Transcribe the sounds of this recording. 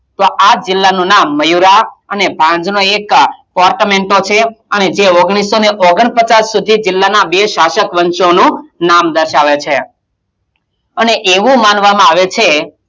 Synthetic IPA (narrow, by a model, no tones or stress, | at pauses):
t̪oʔad͡ʒɪlːanũnamːəjuɾaənebʱãɲd͡ʒnoekpɔɾʈmeɳʈot͡ʃʰeəned͡ʒeoɡɽ̃isoneʔoɡəɳ̃pət͡ʃasːud̪ʱid͡ʒɪlːanabeʃaʃəkʋənʃonũnamd̪əɾʃaʋet͡ʃʰe | əneʔeʋũmanʋamãaʋet͡ʃʰe